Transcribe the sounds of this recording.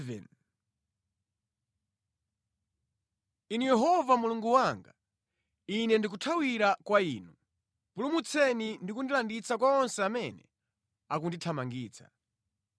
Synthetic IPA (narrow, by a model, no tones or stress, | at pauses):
vɛ̰n | inijɛɦɔvamuluŋɡuwaŋɡa | inɛndik̬utʰawiɾakwaiːnu | pulumut͡sʰɛnindikundilandit͡sak̬waɔnsɛamɛnɛ̰ | akunditʰamaŋɡiːt͡sʰḁ̰